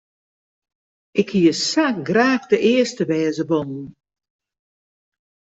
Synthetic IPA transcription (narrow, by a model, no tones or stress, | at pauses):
ʔɪkhiəsakɡraːxdəʔɪəstəʋɛːzəbɔnn̩